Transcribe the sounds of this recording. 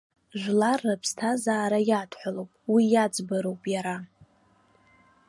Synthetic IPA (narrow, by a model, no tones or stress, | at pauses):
ʒʷlarːapʰstʰazaːɾajatʰħʷalowpʼwijad͡zʼbaɾo̞wpʼjaɾa